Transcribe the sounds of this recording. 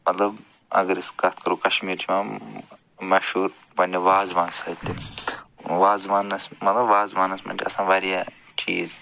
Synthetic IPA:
mɐt̪lɐb | ɐ̰ɡəɾiskɐt̪̚ʰkɐɾoːkɐʃmiːɾt͡ʃʰimã | mɐʃuːɾ | pɐnʲeʋaːzʋãːnɡsɐt̪ːe | ʋaːzʋaːnɐsmɐt̪lɐbʋaːzʋaːnɐsmɐ̰nʲd͡ʒʲɐ̰sãːʋaːɾijaː | t͡ʃiːz

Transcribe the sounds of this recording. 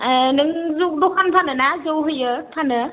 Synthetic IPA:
nɯŋzudɔkʰanpʰanɯnazɯwɦɯjɯpʰanɯ

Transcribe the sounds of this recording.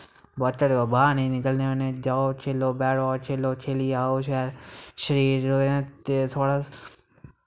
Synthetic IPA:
bət͡ʃəɽoːbaːnĩːnɪkəlneːonẽːd͡ʒaːoːt͡ʃʰeloːbɛːɽaːt͡ʃʰeloːt͡ʃʰeːliːaːoːʃɛːɾʃəɾiːɾɾoːeãːt̪eːt̪ʰoːɽaː

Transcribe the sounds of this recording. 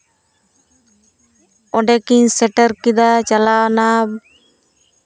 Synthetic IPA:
ɔɖɛkiɲsɛʈəɾkid̪at͡ʃalawana

